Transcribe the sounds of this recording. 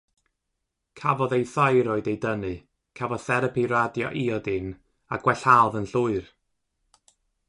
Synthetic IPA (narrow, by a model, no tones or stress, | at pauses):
kʰavɔðejθajɾɔɨdejdənɨ | kʰavɔθɛɾəpʰiɾadjɔ̰ʔiɔdɪn | a̰ɡ̥wɛɬalˠvənɬʊɨr